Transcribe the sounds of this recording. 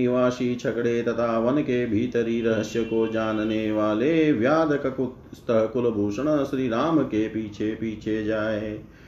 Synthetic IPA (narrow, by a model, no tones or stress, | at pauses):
iʋaːʃit͡ʃʰɐkɽet̪ɐt̪ʰaʋɐnkebʱiːt̪əɾiɾɐɦəʃjəkod͡ʒaːnneʋaːleʋjaːd̪ɐkɐkut̪ | st̪ɐɦɐkʊlɐbʱuːʃəɽ̃ɐʃɾiɾaːmkepiːt͡ʃʰepiːt͡ʃʰed͡ʒaːɦeː